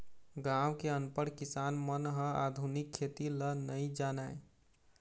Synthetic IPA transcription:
ɡawkeənpəɽkisaːnmənɦəa̰d̪ʱunikʰːet̪ilənəid͡ʒanae

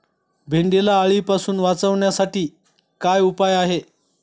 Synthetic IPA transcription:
bʱeɳɖelaːɭiːpasuːnʋat͡səʋɳjasaʈiː | kajupajaɦe

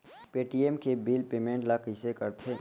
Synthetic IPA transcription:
peːʈiemkebiːlpeːmẽːɳʈlakisekəɾt̪ʰe

